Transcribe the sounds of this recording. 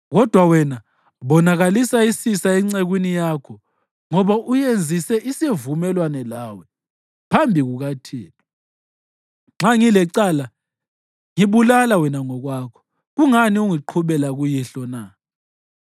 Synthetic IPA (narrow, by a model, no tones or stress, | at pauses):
ɣɔd̥ʱwawɛna | βɔnaɣalisaisisaɛŋ͡ǀeɣwinijakʰɔ | ŋɔβaʔujend͡zʱisɛʔisevumɛlwanɛlawɛ | pʰambʱiɣuɣatʰiːlɔ | ŋ͡ǁaŋilɛǀala | ŋiβulalawɛnaŋɔɣwakʰɔ̥ | ɣuŋaniuŋiǃʰuβɛlaɣujiɬɔna